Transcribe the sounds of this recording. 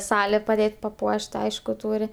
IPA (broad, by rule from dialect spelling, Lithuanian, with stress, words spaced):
ˈsɑːlʲeː pɐˈdʲeːtʲ pɐˈpuɔʃt ˈɐɪʃkʊ ˈtuːrʲɪ